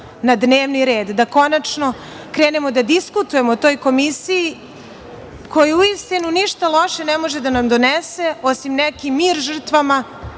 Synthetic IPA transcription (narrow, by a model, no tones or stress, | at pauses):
nad̪ne̞ːʋniɾe̞ːd̪d̪ako̞nat͡ʃno̞ | kɾe̞ːne̞mo̞d̪ad̪iskut̪uje̞mot̪o̞ːjko̞misiji | ko̞juuist̪inuniʃt̪alˠo̞ʃenɛmo̞ʒed̪anamd̪o̞neseosimnɛkimiːɾʒr̩t̪ʋama